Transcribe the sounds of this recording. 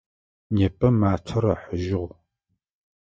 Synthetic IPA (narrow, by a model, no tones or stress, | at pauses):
neːpʼɐmaːtʰɐɾɐħəʒɪʁʷ